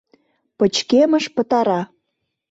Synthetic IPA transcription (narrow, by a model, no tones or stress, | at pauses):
pət͡ɕkeməʃpət̪ɑɾɑ